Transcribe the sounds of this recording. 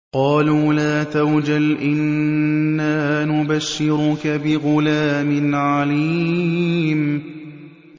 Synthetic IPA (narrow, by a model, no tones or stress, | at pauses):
qɑːluːlaːt̪awd͡ʒalʔɪnː | aːnʊbaʃːɪɾʊkabɪɣʊlaːmɪnʕaliː | m